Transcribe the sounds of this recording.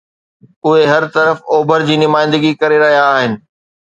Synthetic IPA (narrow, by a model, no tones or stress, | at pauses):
ʊɦeɦɐɾt̪ɐɾəfoːbʱəɾd͡ʑiːnʊmaːɪ̃nd̪əɡikɐɾeɾɐɦijaːɦɪnɪ̆